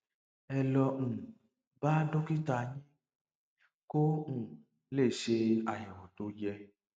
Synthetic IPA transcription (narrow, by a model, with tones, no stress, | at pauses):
ɛ˧lɔ˧ŋ̩̃˨ | ba˦do˦ki˦ta˧ɲĩ˦ | ko˦ŋ̩̃˦˨ | le˦˨ʃe˧a˨jɛ̃˨wɔ̃˨to˧˦jɛ˧